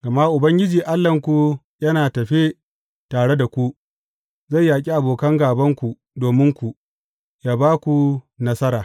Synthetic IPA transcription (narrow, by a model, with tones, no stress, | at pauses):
ɡ̥a˨ma˦ʔʊ˨bɐ˦ŋɡʲɪ˦d͡ʒiː˨ʔa˦lːɐ˨ŋkʷu˨ | jɐ˦naː˨tɐ˨ɸe˦ | taː˨ɽe˦da˨kʷu˦ | za˦˨jːaː˨k̬ʲʼi˦ʔa˨boː˨kɐ˦ŋɡaː˨bɐ˦ŋkʷu˨ | doː˨mɪ˦ŋkʷu˨ | jaː˦baː˦kʷu˨nɐ˦sɐ˦ɾaː˨